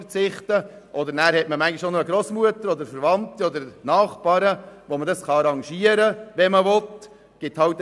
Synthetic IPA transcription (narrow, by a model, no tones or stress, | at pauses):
ɾt͡sɪχt̪əʔɔd̪əɾnæːɾhɛtməmæŋɡiʃonɔəɡɾoːsmuət̪əɾɔd̪əɾfɛɾvɑnt̪iɔd̪əɾnɑːχpɑːɾəʋomədɑsχɑɑɾɑŋʃiəɾəʋɛməvɔt̪ | ɡ̥ɪt̪hɑwt